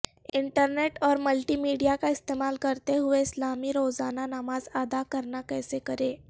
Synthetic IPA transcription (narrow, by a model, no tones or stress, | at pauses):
ɪɳʈəɾneʈɔːɾməlʈiːmiɖijakaɪst̪emaːlkəɾt̪eɦuʋeɪslamiːɾozananamazad̪akəɾnakɛːsekəɾe